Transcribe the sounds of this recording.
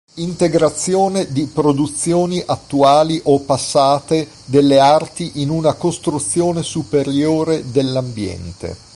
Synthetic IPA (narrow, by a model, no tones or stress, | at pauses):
int̪eɡɾat̪sːjoːned̪ipɾod̪ut̪sːjoːniʔat̪ːuaːliʔopːasːaːt̪e | d̪elːeart̪iʔinunakost̪ɾut̪sːjoːnesupeɾjoːɾed̪elːambjɛ̰nt̪ḛ